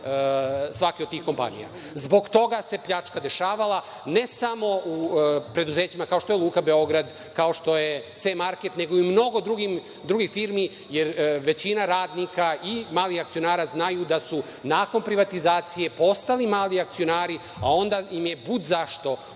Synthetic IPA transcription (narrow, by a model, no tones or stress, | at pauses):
sʋakiod̪t̪iːxko̞mpa̰nḭja̰ | zbo̞ɡt̪o̞ɡase̞pʎat͡ʃkad̪e̞ʃaːʋalˠa | ne̞samo̞upɾe̞d̪uzeːt͡ɕimakao̞ʃt̪o̞jelˠuːkabe̞o̞ɡɾad̪ | kao̞ʃt̪o̞jet̪semaɾket̪ne̞ɡoiimno̞ɡo̞d̪ɾuɡim | d̪ɾuɡixfiːɾmi | jeɾʋe̞t͡ɕinaɾaːd̪nikaimaːlixakt̪sijo̞naːɾaːznajud̪asu | naːko̞npɾiʋat̪izaːt̪sije̞po̞st̪alimaːliak̚t̪sio̞naːɾi | ao̞nd̪aimjebud̪zaʃt̪o̞